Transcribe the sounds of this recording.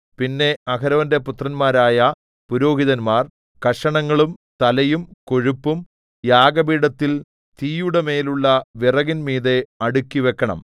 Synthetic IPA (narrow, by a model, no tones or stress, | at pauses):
pinːe̞ɐkɐɾɐʋɐnde̞put̪rɐnmaːɾaːjɐ | puɾo̞ːɦiðɐnmaːr | kɐʂɐɳɐŋːɐɭumt̪ɐlɐjumko̞ɻupːum | jaːɡɐbiːɽɐt̪ːil | t̪iːjuɽeme̞ːluɭːɐʋirɐɣinmiːðe̞ɐɽukʲːiʋe̞kːɐɳɐ̰m